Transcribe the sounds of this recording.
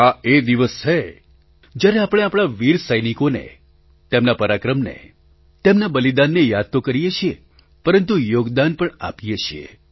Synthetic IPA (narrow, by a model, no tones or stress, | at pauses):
aed̪iʋəst͡ʃʰe | d͡ʒjaɾeapəɽ̃eapɽ̃aʋiɾsəjnikonḛ | t̪emnapəɾakɾəmnḛ | t̪emnabəlid̪anːejad̪̚t̪okəɾijet͡ʃʰije | pəɾənt̪ujoɡd̪anpəɳa̰pijet͡ʃʰiḛ